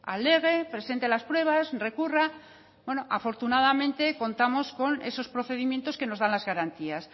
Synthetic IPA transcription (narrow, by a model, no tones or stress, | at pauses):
a̰le̞ɣ̞epɾe̞se̞nt̪elaspɾwe̞β̞asre̞kura | bwe̞no̞ʔafo̞ɾt̪unað̞amẽ̞nt̪e̞ko̞nt̪amo̞sko̞ne̞̰so̞spɾoθe̞ð̞imje̞nt̪o̞ske̞no̞zðanlazɣaɾant̪ias